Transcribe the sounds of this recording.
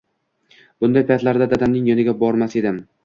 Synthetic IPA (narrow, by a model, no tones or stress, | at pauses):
b̥ʊnd̪ajpʰat̪laɾd̪ad̪ad̪amnɪŋjɒnɪɡʲabɒɾmase̞d̪ɪm